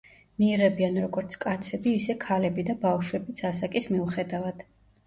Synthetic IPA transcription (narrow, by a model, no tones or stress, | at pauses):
miːʁɛbianɾɔɡɔɾt̪sʰkʼat̪sʰɛbiːsɛkʰalɛbid̪abafʃwɛbit̪sʰasakʼismiuχɛd̪avad̪̥